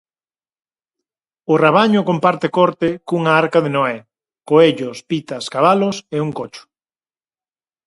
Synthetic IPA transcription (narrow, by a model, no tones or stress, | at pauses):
ʊraβ̞aɲʊkompaɾt̪ekɔɾt̪ɪkuŋaaɾkaðenoɛ | koeʎʊspit̪ɐskaβaloseuŋkot͡ʃʊ̥